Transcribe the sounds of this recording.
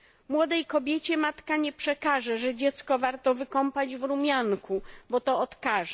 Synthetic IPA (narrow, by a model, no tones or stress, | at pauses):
mwɔd̪ɛjkɔbʲjɛt͡ɕɛmat̪kaɲɛpʂɛkaʐɛʐɛd͡ʑɛt̪skɔvaɾt̪ɔvɘkɔmpad͡ʑvɾumʲjaŋkʰubɔt̪ɔɔt̪kaʐɛ